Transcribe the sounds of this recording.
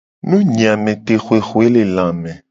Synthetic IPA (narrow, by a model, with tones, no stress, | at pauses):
nũ˦ɲĩ˨a˨mẽ˨t̪e˨xo˨e˨xo˨e˦le˨lã˨mɛ̃˨